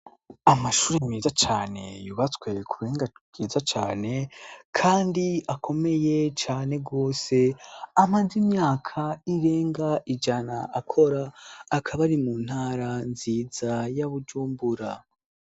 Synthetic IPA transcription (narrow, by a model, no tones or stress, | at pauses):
amaʃuːɾimiːzat͡ʃaːne̞̰juβat͡swe̞kʰuɾeːŋɡaɡiːzat͡ʃaːne̞kʰaːndiakʰo̞me̞je̞t͡ʃaːne̞ɡo̞ːse̞amaːzimɲaːkʰaiɾe̞ːŋɡaʔid͡ʒanaʔakʰo̞ɾaːkʰaβaɾimuːn̥haːɾanziːzajaβud͡ʒuːmbuɾa